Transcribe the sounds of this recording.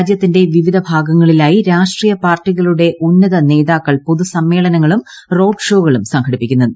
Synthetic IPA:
d͡ʑjɐt̪ːinde̞ʋiʋid̪ʱɐbʱaːɡɐŋːɐɭilaːjiɾaːʂʈriːjɐpaːrʈːiɣɐɭuɽe̞ʔunːɐðɐne̞ːðaːkːɐɭpo̞ðusɐmːe̞ːɭɐnɐŋːɐɭum | ro̞ːɖʂo̞ːɣɐɭumsɐŋkʰɐɽipːikʲːunːɐðɨ

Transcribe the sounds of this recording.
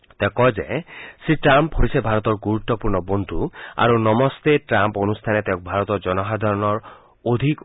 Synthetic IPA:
t̪ɛkɔd͡ʒesiʈɾampɦoisebʱaɾɔt̪ɔɹɡuɾut̪ːɔpuɾnɔbond̪ʱua̰ɾunɔmɔst̪eʈɾamponust̪ʰanet̪eʊ̃k̚bʱaɾɔt̪ɔd͡ʒɔnɔɦad̪ʱɔɾɔnɔɹ | od̪ʱik

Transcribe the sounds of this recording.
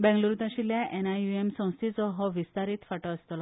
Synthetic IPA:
bɛ̃ŋɡloɾut̪ãɕiljaʔenajuemsɔ̃w̃st̪ʰit͡sɔɦɔʋist̪aɾiːt̪faʈɔəst̪ɔlɔ

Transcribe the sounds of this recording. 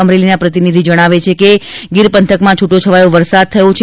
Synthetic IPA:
əmɾelinapɾət̪inid̪ʱid͡ʒəɽ̃aʋet͡ʃʰekeɡiɾpənt̪ʰəkmãt͡ʃʰuʈːot͡ʃʰəʋajõʋəɾsad̪̚t̪ʰəjõt͡ʃʰ

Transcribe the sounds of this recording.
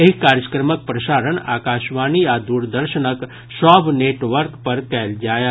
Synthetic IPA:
eɦikaːɾd͡ʒəkɾmək̚pɾɐʃaːɾəɳa̰ːkaːʃʋaːniaːd̪uːɾd̪əɾʃənək | ʃɔːbʱneːʈʋəɾkpɐɾkɛːld͡ʒaːja

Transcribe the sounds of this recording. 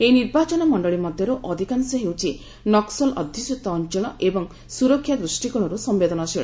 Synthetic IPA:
eniɾbat͡ʃɔnɔmɔɳɖɔɭimɔd̪ʱjɔɾuʔɔd̪ʱikansɔɦewt͡ʃʰi | nɔksɔlɔ̰d̪ʱisut̪ɔːnt͡ʃɔɭ̃ɔʔebɔŋ | suɾɔkʰːjad̪ɾusʈikɔɭ̃ɔɾusɔmbed̪ɔnɔsiɭɔ

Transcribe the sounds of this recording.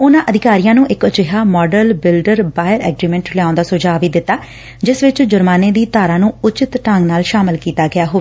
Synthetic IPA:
ʊnãːʔəd̪ɪkaːɾijãːnũːʔɪkət͡ʃɪɦaːmɔːɖəlbɪlɖəɾbaːjɪəɾɛ̰ːɡɾiːmɛ̃ɳʈljaːnd̪aːsʊd͡ʒaːʋiːd̪ɪt̪ːaː | d͡ʒɪsʋɪt͡ʃd͡ʒʊɾmaːneːd̪iːt̪aːɾãːnũːʊt͡ʃɪt̪ʈəŋɡnaːlʃaːmɪlkiːt̪aːɡɪaːɦoː

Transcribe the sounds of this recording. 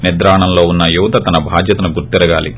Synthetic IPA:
nid̪ɾaːɐɳɐmlo̞ːunːɐjuʋɐt̪ɐt̪ɐnɐbʱaːd͡ʒ̪jɐt̪ɐnuɡuɾt̪iɾɐɡa̰ːlḭ

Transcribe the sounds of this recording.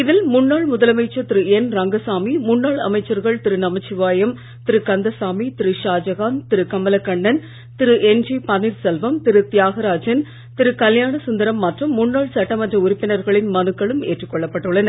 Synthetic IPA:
ɪðɪlmʊnːaːɭmʊðɐlɐmɐɪt͡ʃːɐt̪ɪɾɯɛnɾɐŋɡɐsaːmimʊnːaːɭɐ̰mɐɪt͡ʃːɐɾɣɐɭt̪ɪɾɯnɐmɐt͡ʃːɪʋaːjɐm | t̪ɪɾɯkɐnd̪ɐsaːmit̪ɪɾɯʃaːd͡ʒɐɣaːnt̪ɪɾɯkɐmɐlɐkːɐɳːɐn | t̪ɪɾɯʔɛnd͡ʒipɐniɾsɛlʋɐmt̪ɪɾɯt̪ɪjaːɣɐɾaːd͡ʒɐn | t̪ɪɾɯkɐljaːɳɐsʊnd̪ɐɾɐmːɐʈrɯmːʊɳːaːɭsɐʈːɐmɐndrɐʊɾʊpːɪnɐɾɣɐɭɪnmɐnɯkːɐɭɯmḛːʈrɯkːɔɭːɐpːɐʈːɯɭːɐnɐɾ

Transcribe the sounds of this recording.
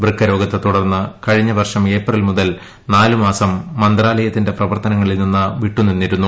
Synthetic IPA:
brikʰːɐɾo̞ːɡɐt̪ːɐt̪uɽɐrnːɨkɐɻiɲːɐʋɐrʂɐme̞ːprɐlmuðɐl | naːlumaːsɐmːɐnd̪raːlɐjɐt̪ːinde̞prɐʋɐrt̪ɐnɐŋːɐɭilninːɨʋiʈːuninːiɾunːu

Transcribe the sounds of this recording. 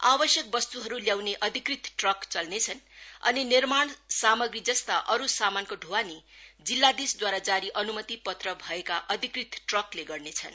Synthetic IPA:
abʌsjʌk̚bʌst̪uɦʌɾuljawneʔʌd̪ʱikrit̪ʈrʌkt͡sʌlnet͡sʰʌnʌ̰ninirmaɳsamʌɡɾid͡zʌst̪aʔʌɾusamankoɖʱuwanid͡zilːad̪isd̪waɾad͡zaɾiʔʌnumʌt̪ipʌt̪rʌbʱʌekaʔʌd̪ʱikrit̪ʈrʌkleɡʌrnet͡sʰʌn

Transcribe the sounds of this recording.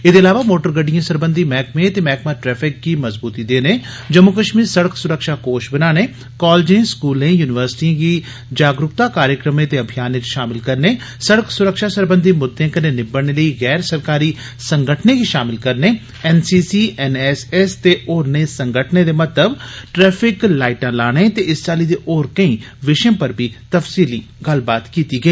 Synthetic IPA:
ɪd̪eɐlaːʋamoːʈəɾɡəɖijãsɐɾbə̃nd̪ʱimɛːkmẽt̪emɛːkmaʈɾɛːfʰɪkːimɐzbuːt̪id̪eːne | d͡ʒɐmːʊkəʃmiːɾsɐɽəksʊɾəkʃakoːʃbɐnaːne | kaːld͡ʒẽskuːlẽːjuːnɪʋəɾsɪ̥ʈiãki | d͡ʒaːɡɾʊkt̪akaːɾjəkɾəmẽt̪eɐbʱijaːnẽd͡ʒʃaːmɪlkɐɾne | səɽəksʊɾəkʃaːsəɾbə̃nd̪ʱiːmʊd̪ʱːẽːkəneːnɪbəɽɽ̃eːləiːɣɛːɾsəɾkaːɾiː | sə̃ŋɡəʈʰneːɡiʃaːmɪlkəɾneː | ɛːnsiːsiːʔɛːnɛsɛst̪eːoːɾneːsə̃ŋɡəʈʰneːd̪eːmət̪əbʈɾɛːpʰɪklaːɪʈãːlaːɽ̃eːt̪eɪst͡ʃaːliːd̪eːʔɔːɾkəĩː | ʋɪʃẽːpəɾbʱiːt̪əfsiːliː | ɡəlbaːt̪kiːt̪iːɡəeː

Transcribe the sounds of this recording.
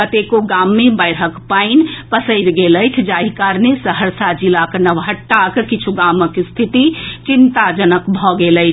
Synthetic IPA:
ət̪ekoɡaːmːẽbəɪɾəkpaːɪnpəsəɪɾɡeːləjt̪ʰd͡ʒaːɦikaːɾnesəɦəɾsad͡ʒɪlaknəʋɦəʈːakkɪt͡ʃʰuɡaːməkist̪ʰɪt̪it͡ʃɪnt̪ad͡ʒənəkbʱɔɡeːləɪt͡ʃʰ

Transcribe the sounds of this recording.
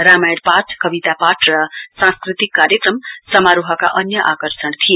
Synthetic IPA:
ɾamajɽpatʰkʌbit̪apaʈʰrʌsãskɾit̪ikːaɾjəkɾʌmsʌmaɾuɦʌka̰ʔʌnjʌʔakʌɾsəɳt̪ʰije

